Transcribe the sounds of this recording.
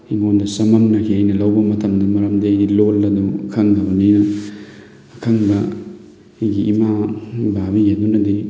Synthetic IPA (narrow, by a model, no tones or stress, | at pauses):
imondɐsɐmɐmnɐkʰiajnɐlawbɐmɐtʰɐmdɐmɐɾɐmdeajdilolːɐdukʰaŋdɐbɐnijnɐː | kʰaŋbɐ | ijɡiːmababijadunɐdi